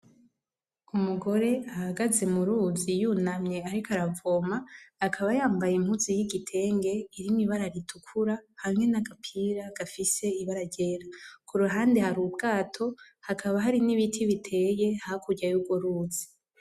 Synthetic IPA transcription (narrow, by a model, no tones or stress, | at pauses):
umuɡo̞ɾe̞ahaɡaze̞muɾuzijunamɲeaɾikʰaɾavoːmaːkʰaβajaːmbajim̥huzijiɡitʰe̞ːŋɡe̞iɾimiβaɾaɾitʰukʰuɾahamŋe̞naɡapʰiɾaɡ̥afise̞iβaɾaɟeɾakʰuɾuɦaːndehaɾuːbɡaːtʰo̞ | hakʰaβaɦaɾiniβitʰiβitʰe̞je̞hakʰuɾɟajuɡo̞ɾuːzi̥